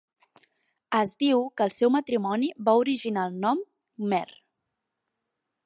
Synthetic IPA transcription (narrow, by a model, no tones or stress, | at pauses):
əzd̪iwkəːlˠsɛwmət̪ɾimɔniβauɾiʒinalˠnɔm | mɛr